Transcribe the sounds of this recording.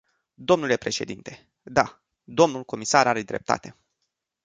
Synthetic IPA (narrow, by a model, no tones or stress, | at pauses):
d̪o̞mnule̞pɾe̞ʃe̞d̪int̪e̞ | d̪a | d̪o̞mnulko̞misaɾaɾe̞d̪ɾe̞̰p̚t̪a̰t̪e̞